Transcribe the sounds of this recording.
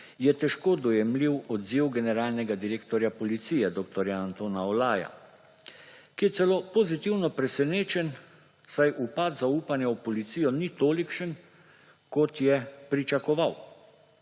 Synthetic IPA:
jɛt̪ɛʃkod̪ɔjɛmliwɔd̪ziwɡɛnɛɾaːlnɛɡad̪iɾeːkt̪ɔɾjapɔlit̪siːjɛd̪oːkt̪ɔɾjaaːnt̪oːnaɔlaːja̰ | kijɛt̪sɛloːpɔzit̪iwnɔpɾɛsɛneːt͡ʃɛn | sajʔupad̪zauːpanjawpɔlit̪siːjɔnit̪oːlikʃən | kɔt̪jɛpɾit͡ʃakɔʋaw

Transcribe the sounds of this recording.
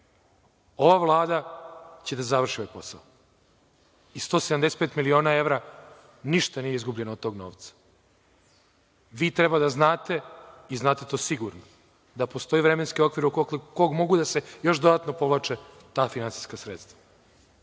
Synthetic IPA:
o̞ʋaʋlˠaːd̪at͡ɕed̪azaʋr̩ʃiapo̞sa̰o | ist̪o̞ːsed̪amd̪ese̥t̪peːt̪milio̞ːnae̞vɾa | niʃt̪anijeizɡubʎenoːd̪̚t̪o̞ːɡno̰ːʋt̪sḁ | ʋiːt̪ɾebad̪aznaːt̪e̞iznaːt̪et̪o̞ːsiɡuɾno | d̪apo̞st̪o̞iʋvɾemenskio̞kʋiɾuokoɡmo̞ɡud̪ase̞jo̞ʃd̪o̞d̪at̪nopo̞vlˠat͡ʂe | t̪aːfinansi̥skasɾet̪st̪ʋa

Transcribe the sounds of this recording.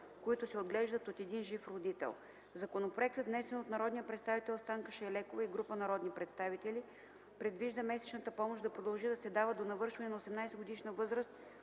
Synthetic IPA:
koit̪ʊsɛod̪ɡlɛʒd̪ət̪ot̪ɛd̪inʒifɾod̪it̪ɛ̰lˠ | zɐkonopɾoɛk̚t̪əd̪vnɛsɛnot̪nɐɾɔd̪nijəpɾɛt̪st̪avit̪ɛlˠst̪aŋkəʃɛlɛkovəiɡɾupənɐɾɔd̪nipɾɛt̪st̪avit̪ɛli | pɾɛd̪viʒd̪əmɛsɛ̥t͡ʃnət̪əpɔmoʃd̪ɐpɾod̪ɐlˠʒid̪ɐsɛd̪avəd̪onɐvɤɾʃvɐnɛnɐosɛmnajsɛɡod̪iʃnəvɤzɾəst̪

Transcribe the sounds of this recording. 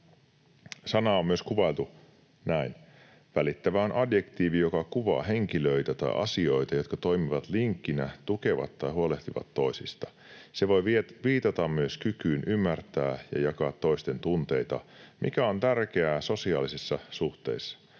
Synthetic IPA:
sɑnɑommyøskuʋɑjlt̪u | næin | ʋælit̪ːæʋæo̞nʔɑdjekt̪iːʋijo̞kɑkuʋɑ̰ːɦe̞ŋk̟iløjt̪æt̪ɑ̰jʔɑ̰sio̞jt̪ɑjo̞t̪̚kɑt̪o̞imiʋɑt̪liŋkːinæt̪uke̞ʋɑ̰t̪ːɑjɦuole̞ht̪iʋɑ̰t̪ːo̞isist̪ɑ | seʋo̞jʋʋiːt̪ɑt̪ɑmmyøskykyːnymːært̪æːjɑ̰jɑkɑːt̪ːo̞ist̪ent̪unt̪e̞it̪ɑ̰mʔḭkæo̞nt̪ærk̟eæːso̞siɑ̰ːlisesːɑsuht̪e̞̰isːɑ̥

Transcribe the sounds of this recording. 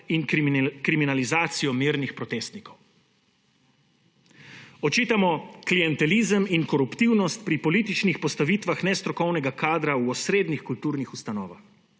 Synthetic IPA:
iŋkɾiminalizaːt̪sijɔmiɾnixpɾɔt̪est̪nikɔw | ɔt͡ʃiːt̪amɔklijɛnt̪ɛliːzəmiŋkɔɾupt̪iwnɔst̪̚pɾipɔliːt̪it͡ʃnixpɔst̪aʋiːt̪ʋaxnɛst̪ɾɔkɔwnɛɡakaːd̪ɾauɔsɾeːd̪nixkult̪uːɾnixust̪anɔːʋax

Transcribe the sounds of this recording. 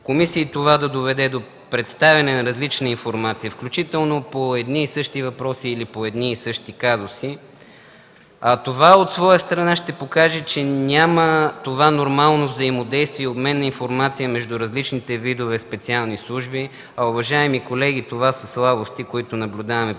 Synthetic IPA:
komisiəit̪ovad̪ɐd̪ovɛd̪ɛd̪o | pɾɛt̪st̪avʲɐnɛnɐɾɐzlit͡ʃnɐinfoɾmat̪sijəfklʲut͡ʃit̪ɛlˠnopoɛd̪niːsɤʃt̪ivɐpɾɔsiːlipoɛd̪niːsɤʃt̪ikazosi | ɐt̪ovaot̪svɔjəst̪ɾɐnaʃt̪ɛpokaʒɛt͡ʃɛnʲamət̪ovanoɾmalˠnovzəimod̪ɛjst̪viɛobmɛnːɐinfoɾmat̪sijəmɛʒd̪uɾɐzlit͡ʃnit̪ɛvid̪ovɛspɛt̪sialˠnislˠuʒbi | ɐuvɐʒaɛmikolɛɡ̟it̪ovasəslˠabost̪ikoit̪onɐblʲʊd̪avɐmɛ

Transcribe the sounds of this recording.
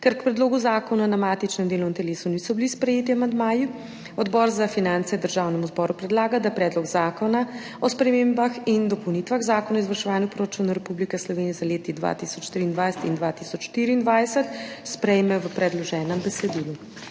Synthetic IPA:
kɛɾkpɾɛd̪loːɡuzaːkɔnanamaːt̪it͡ʃnɛmd̪eːlɔint̪ɛleːsunisɔbilispɾɛjeːt̪iamand̪maːji | ɔd̪bɔːɾzafinant̪sɛd̪əɾʒaːwnɛmuzbɔːɾupɾɛd̪laːɡad̪apɾɛːd̪lɔɡzaːkɔna | ɔspɾɛmembaxind̪ɔpɔwnit̪ʋaɣzaːkɔnaɔizʋɐɾʃɛʋaːnjupɾoɾat͡ʃunuɾɛpublikɛslɔʋeːnijɛzaleːt̪id̪ʋa̰t̪isɔt͡ʃʃt̪ɾiːnd̪ʋajsɛ̥t̪ind̪ʋaːt̪iːsɔt͡ʃʃt̪iːɾiːnd̪ʋajsɛt̪spɾɛjmɛʋəpɾɛd̪lɔʒɛːnɛmbɛsɛd̪ilu

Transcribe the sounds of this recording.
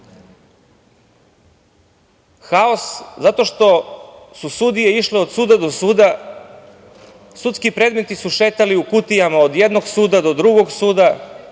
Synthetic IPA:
xao̞szat̪o̞ʃt̪o̞susud̪ije̞iʃle̞od̪suːd̪ad̪o̞suːd̪a | sut̪skipɾed̪me̞t̪isuʃeːt̪aliukut̪ijamaod̪jed̪no̞ɡsuːd̪ad̪o̞d̪ɾuɡo̞ɡsuːd̪a

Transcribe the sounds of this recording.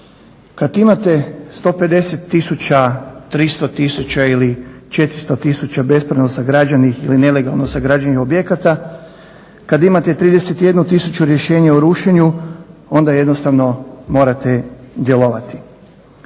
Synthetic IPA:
kad̪imat̪e̞st̪o̞pe̞d̪e̞set̪ːisut͡ɕat̪ɾist̪ot̪isut͡ɕailit͡ʃe̞t̪ɾist̪o̞t̪isut͡ɕabe̞spɾenosaɡɾad͡ʒanixiline̞le̞ɡalˠnosaɡɾad͡ʒanixo̞bje̞kat̪a | kad̪imat̪e̞t̪ɾiːd̪eset̪je̞d̪nut̪isut͡ʃuɾje̞ʃe̞ːɲauɾuʃe̞ɲuo̞nd̪ajed̪nost̪aʋno̞mo̞ːɾat̪e̞d̪je̞loʋat̪i̥

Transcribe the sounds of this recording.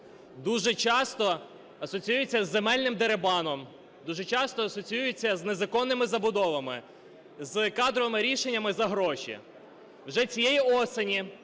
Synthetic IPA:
d̪uʒɛt͡ʃɑst̪ɔ | ɐsɔt͡sʲijujet͡sʲːɐzːemɛlʲnɪmd̪eɾebɑnɔm | d̪uʒɛt͡ʃɑst̪ɔɐsɔt͡sʲijujʊt͡sʲːɐzne̞zɐkɔnːɪmɪzɐbʊd̪ɔʋɐmɪ̰ | zkɑd̪ɾɔʋɪmɪɾʲiʃenʲːɐmɪzɐɦɾɔʃʲḭ | wʒɛt͡sʲijɛjiɔsenʲi

